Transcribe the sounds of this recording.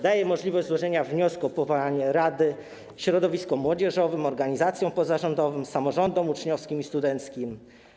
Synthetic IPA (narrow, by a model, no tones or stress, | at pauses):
d̪ajɛmɔʐlʲivɔʑzwɔʐɛɲavɲɔskuɔpɔvaaɲɛɾad̪ɘ | ɕɾɔd̪ɔvʲiskɔmwɔd͡ʑɛʐɔvɘmɔɾɡaɲizat̪sʲjɔ̃w̃pɔzaʐɔnd̪ɔvɘmsamɔʐɔnd̪ɔmut͡ʂɲɔfskʲimist̪ud̪ɛnt̪skʲim